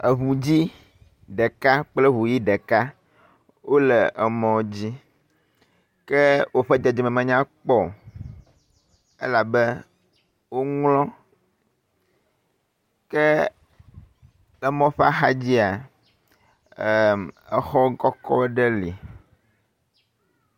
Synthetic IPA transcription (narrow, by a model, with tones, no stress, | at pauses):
e˨βũ˨d͡ʑi˦ | ɖe˨ka˦k͡plɛ˦βũ˨ji˦ɖɛ˨ka˦ | wo˦lɛ˨ʔɛ˨mɔ̃˨d͡ʑi˦ | kɛ˦wo˦ɸɛ˦d͡ʒe˨d͡ʒi˨mɛ̃˨mɛ̃˨ɲã˦k͡pɔ˦˨ | ḛ˦la˨bɛ˦ | wo˦ŋlɔ̃˦ | kɛ˦ | lɛ˦mɔ̃˦ɸa˦xa˦d͡ʑi˦a˨ | ɛ˨xɔ˦ɡɔ˦kɔ˦ɖɛ˦li˨